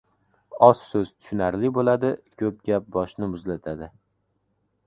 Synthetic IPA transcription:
ɒssɵz̥t̪ʰʊ̥ʃʊnaɾlɪbolad̪ɪkʰɵp̚ɡʲap̚bɒʃnɪmʊzlat̪ʰad̪ɪ

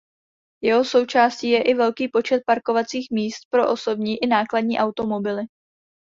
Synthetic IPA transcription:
jɛɦo̞so̞wt͡ʃaːsciːjɛʔɪvɛlkiːpo̞t͡ʃɛt̪̚paɾko̞vat͡siːxmiːst̪̚pɾo̞ʔoso̞bɲiːʔɪnaːkladɲiːʔawt̪o̞mo̞bɪlɪ

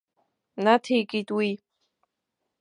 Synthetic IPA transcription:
nat̪ʰikʼid̪wi

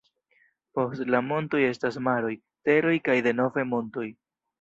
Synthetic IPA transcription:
po̞stlamo̞nto̞je̞stasmaɾo̞j | te̞ɾo̞jkajde̞no̞vemo̞nto̞j

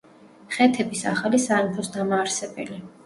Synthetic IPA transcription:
χɛt̪ʰɛbisa̰χalisampʰɔsd̪amaːɾsɛbɛ̰li

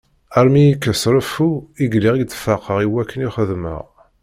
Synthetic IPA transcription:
æɾmijikːəsɾəfuiɡliʁit͡sːfɑqʰəʁiwækːəniχəðmə̰ʁ

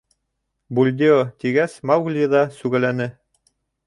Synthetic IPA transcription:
bulʲd̪ʲiot̪iɡæsmɑwɡlʲiðɑsʉɡælænɘ

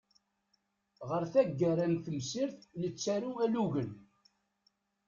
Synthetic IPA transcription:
ʁəɾθæɡːæɾænθəmsiɾθnət͡sːæɾuæluʝən

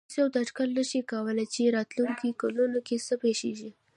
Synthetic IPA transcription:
sjawd̪aʈkəlnəʃikawəlat͡ʃeɾɑt̪luŋkikalunokesəpeʃḭʒi

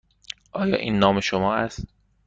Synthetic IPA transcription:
ʔɒːjɒ̰ːʔiːnːɒːmeʃomɒːʔæst̪̚

